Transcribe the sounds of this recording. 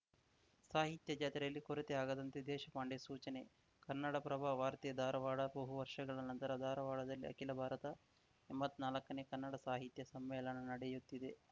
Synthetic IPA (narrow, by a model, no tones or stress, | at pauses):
saːɦit̪jɐd͡ʒaːt̪ɾɐjɐlːikoɾet̪eaːɡɐd̪ɐnt̪ed̪ɛːʃɐpaːɳɖesuːt͡ʃɐne̞ | kɐnːɐɽɐpɾɐbʱaʋaːɾt̪ijɐd̪ʱaːɾɐʋaːɭɐbɐɦuʋɐɾʂɐɡɐɭɐnɐnt̪ɐɾɐd̪ʱaːɾɐʋaːɭɐd̪ɐlːḭɐ̰kilɐbʱaːɾɐt̪ɐ | embɐt̪ːnaːlɐkːɐneːkɐnːɐɽɐsaːɦit̪jɐsɐmʋɛːlɐnɐnɐɽejut̪ːid̪e̞